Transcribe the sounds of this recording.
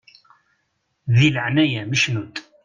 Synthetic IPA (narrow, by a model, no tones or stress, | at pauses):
ðiləʕnæjæməʃnud̪